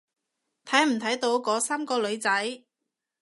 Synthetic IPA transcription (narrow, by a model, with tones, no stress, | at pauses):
t̪ʰɐ˨˥jm̩˨˩t̪ʰɐ˨˥jt̪o˨˥wkɔː˨˧˥saː˥mkɔː˧lɵ˨˧ɥt͡sɐ˨˥j